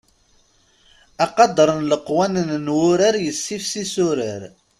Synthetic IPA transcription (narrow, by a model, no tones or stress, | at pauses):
ɑqɑd̪əɾˤənləqwænənnwʊɾaɾjəsːifsisʊɾəɾ